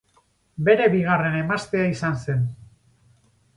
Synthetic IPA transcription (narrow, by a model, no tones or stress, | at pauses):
be̞ɾe̞βiɣ̞are̞ne̞mast̪eaisanse̞n